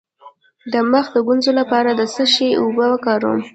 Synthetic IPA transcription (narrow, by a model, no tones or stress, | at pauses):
d̪əməxd̪əɡunzolapɑɾad̪əsəʃeubəəkɑɾṵm